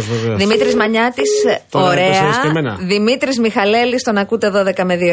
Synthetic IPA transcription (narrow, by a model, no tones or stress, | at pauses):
ðimit̪ɾizmɐɲɐt̪isoɾeɐsemenɐ̰ðimit̪ɾizmixɐle̞list̪o̞nɐkut̪e̞ðo̞ðe̞kɐme̞ðio